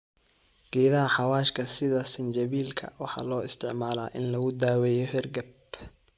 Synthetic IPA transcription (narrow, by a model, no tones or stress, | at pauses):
ɡ̥ɛːðɐɦɐħɑwaːʃkʰɐsɪðɐsɪnt͡ʃɐβiːlkʰɐ̰wɑħɑ̰ːlɔːɪst̪ʰɪʕmaːlaːʔɪnlɐɣʊd̪aːwɛjɔhɛrɡɐb